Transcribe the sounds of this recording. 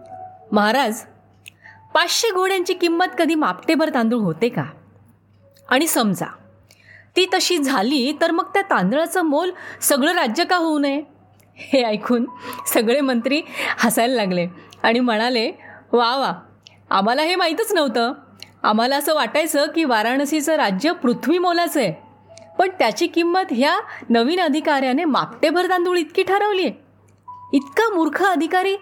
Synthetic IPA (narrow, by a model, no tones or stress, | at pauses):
məɦaɾad͡z | pat͡sɕeɡʱoɽjaɲt͡ɕiːkimːət̪kəd̪ʱiːmapʈebəɾt̪ãnd̪uɭɦot̪eka | aɽ̃isəmd͡za̰ | t̪iːt̪əɕiːd͡zʱaliːt̪əɾməɡ̚t̪jat̪ãnd̪ɭat͡səːmolsəɡɭəɾad͡ʑjəkaɦounəje | heajkʰuːnsəɡɭemənt̪ɾiːhasajllaɡleaɽ̃im̤əɽ̃aleʋaʋa | a̰m̤alaɦemaɦit̪ət͡snəʋt̪əː | a̰m̤alaəsəːʋaʈajt͡səkiːʋaɾaɳəsit͡səɾad͡ʑjəpɾut̪ʰʋiːmolat͡səje | pəɳt̪jat͡ɕiːkimːət̪ɦjanəʋiːnəd̪ʱikaɾjanema̰pʈ̪ebʱəɾt̪ãnd̪uːɭit̪̚kiːʈʰəɾəʋliːe | it̪kamuɾkʰəəd̪ʱikaɾiː